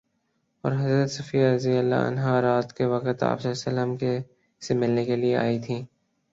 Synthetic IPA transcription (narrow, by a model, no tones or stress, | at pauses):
ɔ̰ːɾɦɐzɾət̪sɐfijaɾɐziəlːa̰ʔɐ̰nɦaɾaːt̪keʋɐkət̪a̰ːbsɐsɐlaːmke | semɪlnekeliea̰ːit̪ʰĩː